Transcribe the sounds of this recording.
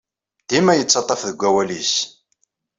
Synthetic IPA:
d̪̥imæjət͡sːɑt̪ˤːɑfðəɡʷːæwælis

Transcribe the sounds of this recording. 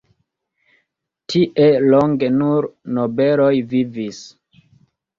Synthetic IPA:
tʰiʔeloŋɡe̞nuɾnobelo̞jvivis

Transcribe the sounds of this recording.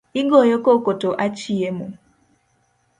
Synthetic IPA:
iŋɡɔjɔkɔkɔtɔʔat͡ʃiɛmu

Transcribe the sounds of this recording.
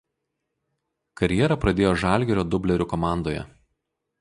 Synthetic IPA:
kɐɾʲjɛɾɐpɾɐd̪ʲeːjoːʒɑˑlʲɡʲɛɾʲoːd̪ʊbʲlʲɛɾʲʊkɔmɑˑnd̪oːjɛ̰

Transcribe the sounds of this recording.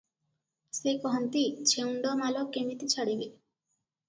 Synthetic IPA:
sekɔɦɔnt̪it͡ɕʰeuɳɖɔmalɔkemit̪it͡ɕʰaɽiɡe

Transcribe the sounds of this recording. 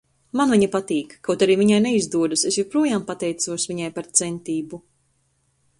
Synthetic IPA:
manviɲipat̪iːkːawt̪aɾiːviɲajnɛizd̪uɔd̪usesjuɾpɾuɔjaːmpat̪ɛjt̪suɔsviɲajpaɾt̪sɛnt̪iːbu

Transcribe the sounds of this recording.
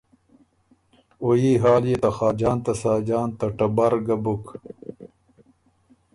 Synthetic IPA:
ojiɦaːlijet̪axaːd͡ʑaːnt̪ɐsaːd͡ʑaːnt̪ɐʈɐbaɾɡɐbuk

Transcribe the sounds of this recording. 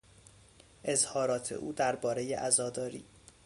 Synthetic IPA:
ʔe̞zhɒːɾɒːt̪ʰḛʔuːd̪æɾbɒːɾe̞jḛʔæzɒːd̪ɒːɾḭː

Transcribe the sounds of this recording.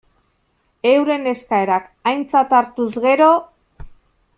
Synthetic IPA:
e̞wɾe̞ne̞skae̞ɾak | ajnt͡sat̪aɾt̪uzɣe̞ɾo̞

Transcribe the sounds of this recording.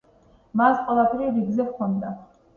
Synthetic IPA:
masqʼwɛlˠapʰɛɾiɾiɡzɛvkʰɔnd̪a

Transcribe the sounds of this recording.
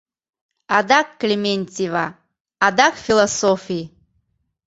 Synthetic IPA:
ad̪akːlʲemʲenʲtʲivaː | d̪akfʲilˠasofʲi

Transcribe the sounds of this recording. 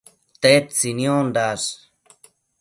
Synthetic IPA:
t̪et̪t͡sinjond̪aʂ

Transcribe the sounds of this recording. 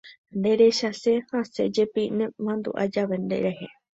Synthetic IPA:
nd̪eɾeʃasehasḛd͡ʒepinẽmãnd̪ṵʔa̰d͡ʒaʋend̪ḛɾehe

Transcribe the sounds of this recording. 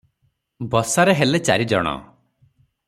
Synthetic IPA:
bɔsaɾeɦelet͡ʃa̰ɾid͡ʒɔ̰ɽ̃ɔ̰

